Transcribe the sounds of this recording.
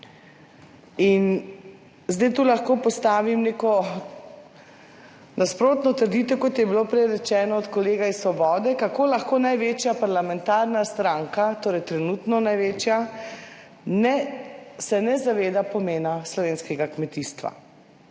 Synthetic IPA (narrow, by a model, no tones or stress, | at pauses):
in | zd̪ɛjt̪uːlaxkoːpɔst̪aːʋimneːkɔ | nʔaspɾoːt̪nɔt̪əɾd̪iːt̪ɛkɔt̪jɛbilopɾɛjɾɛt͡ʃɛːnɔːt̪kɔleːɡaissʋɔbɔːd̪ɛkakoːlaxkoːnajʋeːt͡ʃjapaɾlamɛ̃nt̪aːɾnast̪ɾaŋkat̪oːɾɛjt̪ɾɛnuːt̪nɔnajʋeːt͡ʃja | nɛsɛnɛzaʋeːd̪apɔmeːnaslɔʋeːnskɛɡakmɛt̪ist̪ʋa̰